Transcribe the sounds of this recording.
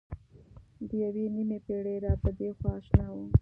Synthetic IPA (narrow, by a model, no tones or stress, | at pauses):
d̪əjawenimepeɽeɾɑpəd̪exwɑːʃnɑwə